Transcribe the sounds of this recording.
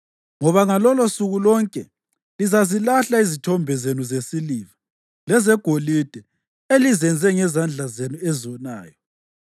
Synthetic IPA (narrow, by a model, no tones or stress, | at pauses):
ŋɔβaŋalɔlɔsuɣulɔŋkʼɛ | lizazilaɬaizitʰɔmbʱɛzenuzesiliːva | lɛzɛɡ̥ʱolid̥ʱɛ | elizɛnd͡zʱɛŋɛzand͡ɮʱazenuɛziɔna̰ːjɔ